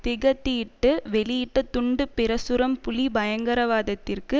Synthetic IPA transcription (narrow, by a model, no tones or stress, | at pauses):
t̪ɪɣɐt̪ːijɪʈːɯʋɛɭɪjɪʈːɐt̪ʊɳɖɯpɪɾɐsʊɾɐmpʊlibɐjɐŋɡɐɾɐʋaːðɐt̪ːɪrkɯ